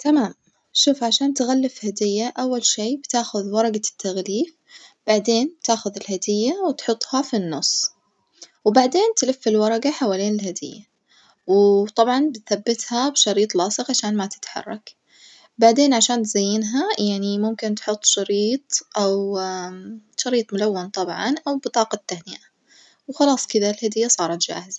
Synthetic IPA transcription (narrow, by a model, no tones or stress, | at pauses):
t̪amaːm | ʃuːfʕaʃaːnt̪ɣalːɪfhad̪ɪjːaʔawːalʃiːbt̪aːxʊðwɑɾˤɑɡat̪ʰːaɣliːf | b̥aʕd̪eːnt̪aːxʊðɪlhad̪ɪjːawɪt̪ħʊt̪ˤːhɑfinːʊsˤː | wbaʕd̪eːnt̪lɪfːɪlwɑɾˤɑɡaħawaːleːnɪlhad̪ɪ̰jːa | wt̪ˤɑbʕɑnbɪt̪θabːɪt̪habʃɑɾiːt̪ˤlɑːsˤɨqʕaʃaːnmat̪ɪ̥t̪ħɑ̰rˤːɑk | baʕd̪eːnʕaʃaːnt̪zajːɪnɦajaʕnimʊmkɪnt̪ħʊt̪ˤːʃɑɾiːt̪ˤʔaw | ʃɑɾiːt̪ˤmʊlawːant̪ˤɑbʕɑ̰nʔawbɨt̪ˤɑːqɑt̪ːahnɪʔa | wxɑlɑːsˤkɪðalhad̪ɪjːasˤɑːɾˤɑt̪d͡ʒa̰ːhɪz